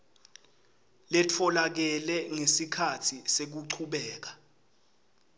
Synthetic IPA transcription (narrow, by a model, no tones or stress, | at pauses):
lɛtʰɔlak̬ɛlɛŋesikʰatʰisek̬uǀʰuɓɛːk̬ḁ